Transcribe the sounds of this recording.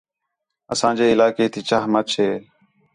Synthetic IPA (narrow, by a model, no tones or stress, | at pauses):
əsãːd͡ʒeːɪlaːkeːt̪ʰiːt͡ʃaːɦmət͡ʃʰeː